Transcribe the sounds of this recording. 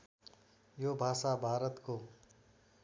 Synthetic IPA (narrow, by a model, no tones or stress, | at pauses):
jobʱaːsabʱaːɾət̪ko